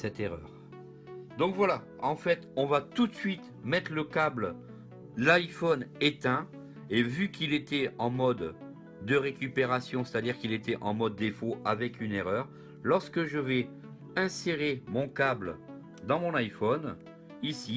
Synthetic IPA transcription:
sɛt̪eʁœ̰ːʁ | d̪ɔ̃kvwala | ɑ̃fɛt̪ɔ̃vat̪ut̪sɥit̪ | mɛt̪χləkabl | lajfɔnet̪ɛ̃ | evykʰilet̪ɛɑ̃mɔd̪ː | əʁekʲypeʁasjɔ̃se̥t̪ad̪iʁkilet̪ɛʔɑ̃mɔd̪ːefoavɛkyneʁœːʁ | lɔʁskəʒəvɛ | ɛ̃seʁemɔ̃kabl | d̪ɑ̃mɔ̃najfɔn | isi

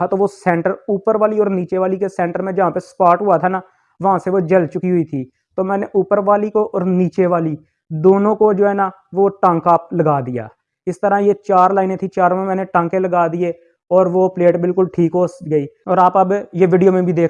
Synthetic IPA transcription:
at̪oʋosɛ̃ːɳʈəɾuːpəɾʋaːliɔːɾniːt͡ʃeʋaːlikesɛ̃ːɳʈəɾmẽd͡ʒɐɦãːpespaːʈɦʊat̪ʰana | ʋɐɦãseʋod͡ʒəlt͡ʃʊkiɦʊit̪ʰiː | t̪oːmɛ̃ːneʔuːpəɾʋaːlikoʔɔːɾniːt͡ʃeʋaːli | d̪oːnõkod͡ʒoːɦɛːnaː | ʋoʈãːŋkaːpləɡaːd̪ɪja̰ː | ɪst̪əɾãjet͡ʃaːɾlaːɪnẽt̪ʰit͡ʃaːɾõmẽmɛ̃ːneʈãːŋkẽləɡaːd̪ɪe | ɔːɾʋopleːʈbɪlkʊlʈʰiːkɦoːsɡəiːɔːɾaːpɐbjeʋɪɖijoːmẽbʱid̪eːk

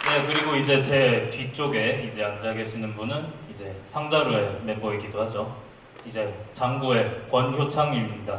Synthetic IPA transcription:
ne̞kɯɾiɡoid͡ʑe̞t͡ɕe̞tɥit͡ɕ͈oɡe̞id͡ʑe̞and͡ʑaɡe̞ɕʰinɯnbunɯnid͡ʑe̞sʰaŋd͡ʑaɾoeme̞bʌiɡidohad͡ʑo | id͡ʑe̞t͡ɕaŋɡue̞kwʌnçjot͡ɕʰaŋimiɲida

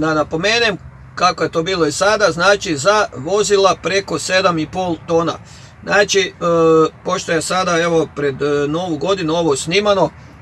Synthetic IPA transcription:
d̪anapo̞meːnem | kako̞je̞t̪o̞ːbiːlˠoisad̪aznaːt͡ʃizaʋo̞zilˠapɾe̞ko̞se̞d̪amipo̞ːlˠt̪o̞ːna̰ | znaːt͡ʃi | po̞ʃt̪ojesad̪ae̞ʋo̞pɾe̞d̪no̞ʋuɡo̞d̪inuo̞ʋosnimano

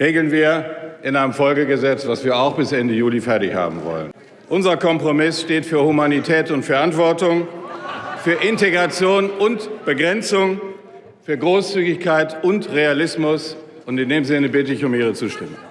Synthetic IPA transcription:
ʁeːɡl̩nviːɐʔɪnaɪnəmfɔlɡəɡəzɛt͡sv̥asv̥iːɐaʊxb̥ɪsʔɛndəjuːlifɛɐtɪçha̰ːbm̩vɔ̰lə̰n | ʔʊnzɐkʰɔmpʁ̥omɪsʃteːtfyːɐhumanitʰɛːtʊntfɛɐʔantv̥ɔɐtʊŋ | fyːɐʔɪnteɡʁat͡sjoːnʊntb̥əɡʁɛnt͡sʊŋ | fyːɐɡʁoːst͡syːɡɪçkʰaɪtʊntʁealɪsmʊs | ʔʊntɪndeːmzɪnəbɪtəɪçʊmiːʁət͡suːʃtɪmə̰ŋ

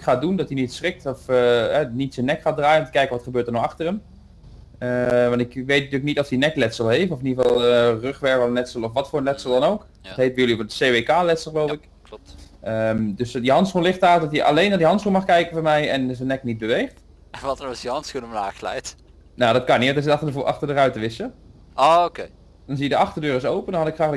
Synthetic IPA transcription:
kχaːdundɔtinitsrɪk̚tɔfɦɛnitsənːɛkχaːdraːjənɔmtə̥kɛjkənʋɑtχəbøːɹtəɹnɔxɑχtərəm | əʋɑntɪkʋejtntyːləknitɔfdinɛklɛtsəlˠɦejfənɔfɪnivɑlˠlˠərøχʋɛɹvənlɛtsəlˠɔfʋɑtfoːɹənlɛtsəlˠdɑnowk | ɔtɦejt̚ʋəjɵlivdəseːʋekaːlɛtsəl̩ˠχəlowɪk | əmdɵsdiɦɑntsχunlɪχtaːdɑtiʔɑ̰lejnaːdiɦɑntsχunmɑχkɛjkənvɔɹmɛjɛnzənːɛknit̚bəʋejχt | nʋɑtəɹɔsjəɦɑntsxunəmlaːxlɛ̰jt | nadɑt̚kɑniɑtɪstʔɑχtəɹdərœɥtəʋɪsə | ookej | d̥ɑnzijədəɑχtəɹdøːɾɪsowpəndɑnɦɑtɪkχraːχl

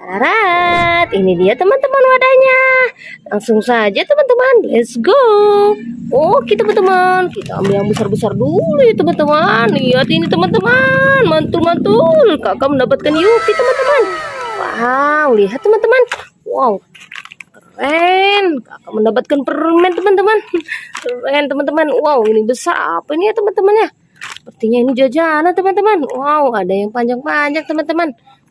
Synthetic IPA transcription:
aɾa | t̪inidiat̪əmant̪əmanwadaɲa | laŋsʊŋsad͡ʒat̪əmant̪əmanlɛsɡo | ɔhkit̪əmant̪əmankit̪aa̰mbijaŋbəsarbəsardulujat̪əmant̪əmaniat̪init̪əmant̪əmanmant̪ulmant̪ulkakaməndapat̪̚kanjukit̪əmant̪əmanwa̰wliɦat̪ːəmant̪əman | waw | kərɛnka̰kaməndapat̪̚kanpərmɛnt̪əmant̪əmankərɛnt̪əmant̪əmanwawinibəsa̰ra̰painijat̪əmant̪əmanja | pərt̪iɲainid͡ʒad͡ʒanat̪əmant̪əmanwawadajaŋpaɲd͡ʒaŋpaɲak̚t̪əmant̪əman

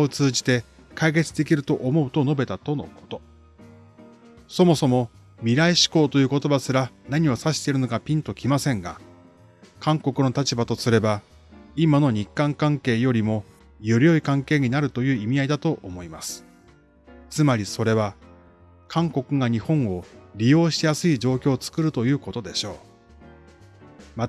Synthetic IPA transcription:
ot͡sɨːʑi̥t̪e̞ | kaike̞t͡sɨ̥d̪e̞kʲiɾɯ̟t̪o̞ʔomo̞ɯ̟t̪o̞no̞be̞t̪at̪o̞no̞̰kʰo̞̥t̪o̞ | so̞mo̞so̞mo̞ | mʲiɾaiɕi̥ko̞ːt̪o̞jɯ̟ːko̞t̪o̞basɨɾanaɲ̟iβosaɕi̥t̪e̞iɾɯ̟no̞kapʲĩnt̪o̞kʲimasẽ̞ŋɡa̰ | kãŋko̞kɯ̟no̞t̪at͡ɕibat̪o̞sɨɾe̞ba | imano̞ɲ̟ikːãŋkãŋke̞ːjo̞ɾʲimo̞ | joɾʲio̞ikãŋke̞ːɲ̟inaɾɯ̟t̪o̞jɯ̟ːimʲiaid̪at̪o̞ʔomo̞imasɨ̥ | t͡sɨmaɾʲiso̞ɾe̞β̞a | kʰãŋko̞kɯ̟ɡaɲ̟ihõ̞ɴ̃o̞ɾʲijo̞ːɕi̥t̪ejasɨid͡ʑo̞ːkʲo̞ːt͡sɨ̥kɯ̟ɾɯ̟t̪o̞jɯ̟ːko̞t̪o̞d̪e̞ɕo̞ː | ma

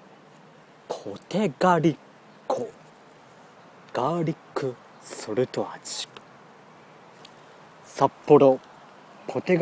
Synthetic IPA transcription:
pʰot̪e̞ɡaɾʲikʰː | o | ɡ̥aɾʲikʰːɯ̟ | soɾɯ̟t̪o̞at͡ɕi̥ | sapːo̞ɾo | pʰo̞t̪e̞ɡ

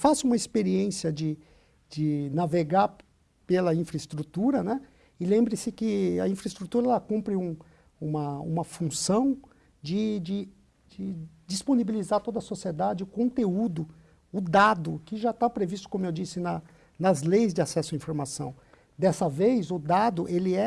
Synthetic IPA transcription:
fasũmɐispeɾiẽsiɐd͡ʒɪ | d͡ʒɪnaveɡaɾ | pelɐĩfɾɐɪst̪ɾut̪uɾɐnɛ | ɪlẽmbɾɪsɪkɪɐ̰ĩfɾɐist̪ɾut̪uɾɐɛlɐkũmpɾɪũ | ũmɐṵ̃mɐfũsɐ̃w̃ | d͡ʒɪd͡ʒɪ | d͡ʒɪd͡ʒisponibilizaɾt̪od̪ɐsosied̪ad͡ʒɪʊkõnt̪eud̪ʊ | ʊd̪ad̪ʊkɪʒat̪apɾevist̪ʊ̥kõmʊewd͡ʒisɪnɐ | nɐzlejzd͡ʒɪasɛsʊɐĩfoɾmasɐ̰̃w̃ | d̪ɛsɐvejzʊd̪ad̪ʊʔelɪɛ

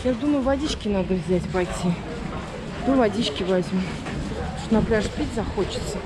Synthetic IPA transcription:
jad̪uməjʊvadʲit͡ɕkʲɪnad̪əvzʲætʲpajtʲi | t̪ovadʲit͡ɕkʲɪvazʲmʲu | t̪onaplʲaʂpʲitʲzɐxot͡ɕɪ̥t̪sə

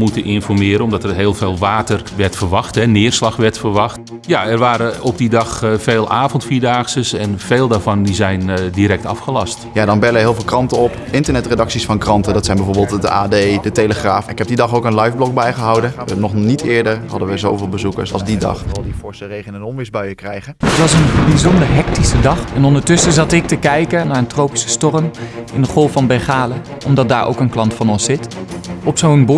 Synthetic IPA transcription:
mutənʔɪnfɔrmɪːɾənɔmdɔtɛrɦeːlˠveːlˠʋaːtərʋɛrtfərʋɑxtɦɛnɪːrslɑxʋɛɹtfərʋɑxt | jaɛrʋaːɾəɔp̚didɑxfeːlˠʔaːvɔntfiːdaːxsəsɛnfeːlˠdaːvɔndizɛjndiɾɛk̚tɑfxəlɑstjadɑnbɛləɦɪːlˠvɪːlˠkrɑntəɔp | ɪntəɹnɛtredɑksisfɑnkrɑntəndɑtsɛjnbɛvoːɹbɪːlˠtədəaːdejdətejləχraːfnɪkɛb̚didɑχowkə̃nlɑjvblɔk̚bɛjχəɦɑwdənənɔχnitɪːɹdəɹɦɑ̰dənʋəzowvɪːlˠbəzukə̰ɹsɑlˠzdidɑ̰χɑlˠdifɔɹsərejχənənɔmʋɪzbœɥəkrɛjχəətʋɑsənbizɔndəɹɦɛktisədɑχɛnɔndəɹtɵsəzɑtɪk̚təkɛjkənaːɹəntrowpi̥sə̥stɔrəmɪndəχɔlˠfɑnbɛɹχaːlə | ʔɔmdɑt̚daːɹʔo̰wkənklɑntfɑnɔnsɪtɔpsownb

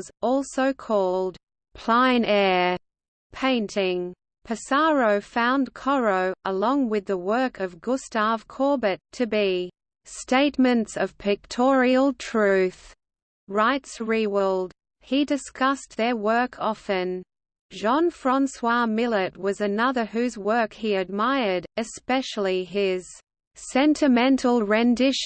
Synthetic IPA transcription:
zɔlˠsoʊkʰɔlˠd | pʰl̥ãɪ̃nɛɹ | pʰẽɪ̃ntʰɪ̃ŋ | pʰɨsɑɹoʊfãʊ̃nkʰɑɹoʊəlɔ̃ŋwɨðəwɜ˞kʰʌvɡʊstɑv̥kʰɔɹbɨtʰɨbi | steɪtmɨ̃ntsʌv̥pʰɨk̚tʰɔɹiəl̩ˠtʰɹ̥ʉθ | ɹaɪtsɹiwəlˠd̥̚ | hidɨskʌs̚ðə˞wɜ˞kʰɑfɨ̃n | ʒɑ̃nfɹɑ̃nswɑmɪlˠət̚wʌzɨnʌðə˞ɦʉzwɜ˞khiɨd̚maɪə˞ɾɨspɛʃl̩ˠiɪz̥ | sɛ̃ntʰɨmɛ̃ntʰl̩ˠɹɛ̃ndɪʃ

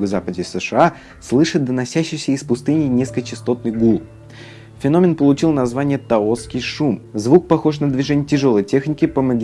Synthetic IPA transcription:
ɡəzapədʲɪsɨʂɨa | slˠɨʂɨt̪̚d̪ənɐsʲæɕːɪjsʲəɪspʊst̪ɨnʲɪnʲeskət͡ɕɪst̪o̞t̪̚nɨjɡulˠ | fʲɪno̞mʲɪnpəlˠʊt͡ɕilˠnɐzvanʲɪjət̪ɐot̪skʲɪjʂumzvuk̚pɐxo̞ʂnəd̪vʲɪʐɛnʲɪjətʲɪʐo̞lˠəjtʲe̞xnʲɪkʲɪpəmɐɡʲ

